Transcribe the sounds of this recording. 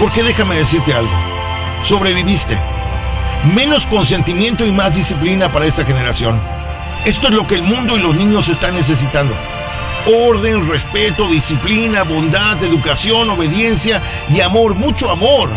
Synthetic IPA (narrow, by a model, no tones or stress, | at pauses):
po̞ɾke̞ðe̞xame̞ðe̞s̬iɾt̪e̞alɣo̰ | so̞βɾe̞βiβist̪e̞̰ | mẽ̞no̞sko̞ns̬e̞nt̪imje̞nt̪o̞imazðisiplinapaɾae̞st̪axe̞ne̞ɾasjo̞̰n | e̞st̪oezloke̞ːlmũnd̪o̞ilo̞znĩɲo̞s̬e̞st̪anːe̞s̬e̞s̬it̪and̪o̞ | oɾðe̞nre̞spe̞t̪o̞ðisiplinaβo̞nd̪aðe̞ðukasjo̞no̞βe̞ðje̞nsja | iamo̞ɾmut͡ʃo̞amo̞ɾ